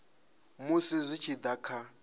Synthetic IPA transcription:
musizʷit͡ʃʰid̪akʰa

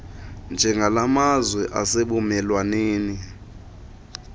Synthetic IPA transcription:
nd͡ʒʱɛŋɡʱalamazwɛʔaseɓumɛlwaneːni

